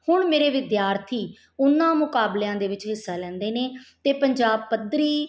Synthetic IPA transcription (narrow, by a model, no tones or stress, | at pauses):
hʊɳmeːɾeːʋɪd̪jaːɾt̪ʰiː | ʊnːãːmʊkaːbleːãːd̪eːʋɪt͡ʃɦɪsːaːlɛ̃ːnd̪eːneːt̪eːpəɲd͡ʒaːb̚pəd̪ɾiː